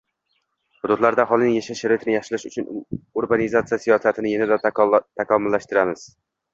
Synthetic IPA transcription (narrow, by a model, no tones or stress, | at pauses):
hʊd̪ʊd̪laɾd̪aχɒlˠnɪŋjaʃaʃaɾɒt̪ʰnɪjaχʃɪlɪʃʊt͡ʃʰʊnʊɾbanɪzat̪sijasijɒsat̪ʰɪnɪjenad̪at̪ʰakʰɒmʊlːaʃt̪ɪɾamɪz̥